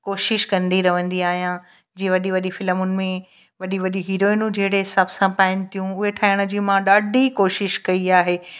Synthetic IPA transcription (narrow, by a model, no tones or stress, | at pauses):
koːʃɪʃkɐ̃nd̪iɾɐʋə̃nd̪iaːɦijã | d͡ʑĩːẽʋɐɗiʋɐɗifɪləmʊnɪ̆mẽ | ʋɐɗiʋɐɗiɦiːɾoːinũd͡ʑeɦɪɽeɦɪsaːbsãpaːɪnɪ̆t̪ʰijũʊɦeʈʰaːɪɽ̃ə̆d͡ʑiːmãɗaːɖʱikoːʃɪʃkɐiaːɦeː